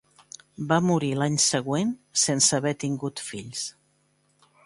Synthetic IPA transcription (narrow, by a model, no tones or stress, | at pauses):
bamuɾilaɲsəɣwensensəβɛt̪iŋɡut̪fiʎs